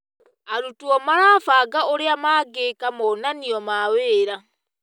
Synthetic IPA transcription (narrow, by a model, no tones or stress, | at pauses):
aɾutuɔmaɾafaːɡaoɾeamaɡekamɔnaniɔmaweːɾa